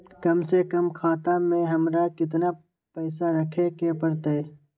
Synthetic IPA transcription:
kɐmsekɐmkʰaːt̪amẽɦɐmɾakɪt̪na | pɛːsaɾɐkʰekepɐɽt̪aɛ

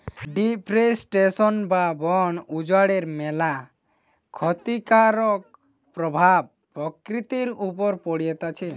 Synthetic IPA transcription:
ɖipɾesʈesɔnbabɔɳud͡ʒwaɽeɾmɛla | kʰɔt̪ikaɾɔk̚ | pɾɔbʱab | pɾɔkɾit̪iɾupɔɾpɔɽijɛt̪at͡ʃʰe

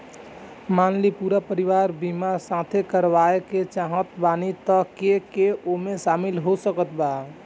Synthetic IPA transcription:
manlipuɾapəɾiʋaɾbimasãt̪ʰekəɾʋaeket͡ʃaɦə̃t̪banit̪əkekeomesamilɦosəkət̪ba

